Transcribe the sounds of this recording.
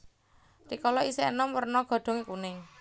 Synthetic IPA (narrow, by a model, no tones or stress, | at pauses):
t̪ikɔlɔisenɔmwərnɔɡ̥ɔ̤ɖ̪̥o̤ŋekune